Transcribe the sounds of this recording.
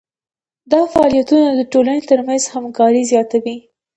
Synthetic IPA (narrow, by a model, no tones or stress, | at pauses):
d̪ɑfaɑlijat̪unad̪əʈolanet̪əɾmanzhamkɑɾizjɑt̪awi